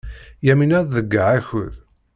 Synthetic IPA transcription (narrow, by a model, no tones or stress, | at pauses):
jæminæððəɡːaʕæçə̰ð